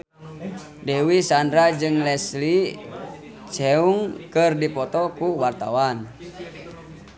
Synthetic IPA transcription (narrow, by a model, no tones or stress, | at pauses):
dɛwisandɾad͡ʒɨŋlɛsli | t͡ʃɛuŋkɨrdipɔt̪ɔkuwart̪a̰wan